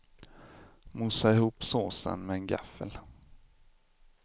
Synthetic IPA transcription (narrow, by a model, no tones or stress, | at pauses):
musaɪhuːpsoːsə̰nmɛɛnɡa̰fəl